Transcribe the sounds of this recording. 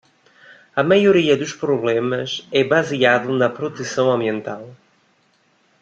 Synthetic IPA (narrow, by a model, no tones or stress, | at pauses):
ɐmɐjuɾiɐðuʃpɾuβlemɐzɛβɐziaðunɐpɾut̪ɛsɐ̃w̃ɐ̃mbiẽnt̪alˠ